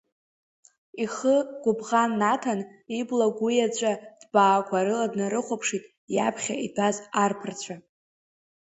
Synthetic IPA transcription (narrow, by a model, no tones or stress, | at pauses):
iχəɡ̥ʷʊbʁanːatʰaniblaɡʷʊjat͡ɕʷʼad̥baːkʷʰaɾɨladnaɾɨχʷopʰʂitʼ | ja̰pʰχʲa̰idʰʼazarpʰɨrt͡ɕʷʰa